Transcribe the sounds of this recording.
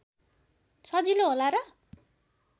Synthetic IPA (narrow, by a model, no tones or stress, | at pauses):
sʰʌd͡ziloɦolaɾʌ